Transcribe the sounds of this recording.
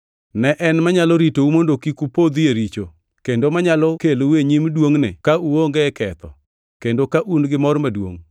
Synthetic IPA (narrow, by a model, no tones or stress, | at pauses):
nɛʔɛnmaɲalɔɾitoumondokikupod̪jeɾit͡ʃo | kendomaɲalɔkeloweɲimdwoŋnɪ̰kauoŋɡɛkɛt̪ɔ̰ | kendokaʔunɡɪmɔrmadwo̰ŋ